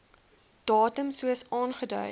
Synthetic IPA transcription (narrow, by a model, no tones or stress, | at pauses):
d̥ɑːtəmsuəsɑːnχədœ̰j